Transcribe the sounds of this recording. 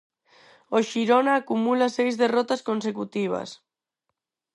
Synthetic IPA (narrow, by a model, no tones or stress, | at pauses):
oʃiɾonaːkumulasejzðerɔt̪askonsekut̪iβ̞a̰s